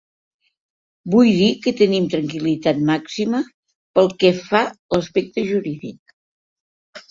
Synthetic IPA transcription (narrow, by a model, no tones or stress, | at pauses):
bujðikət̪ənimt̪ɾəŋkilit̪at̪̚maksimə | pəlˠkɛfaləspɛk̚t̪əʒuɾiðik̚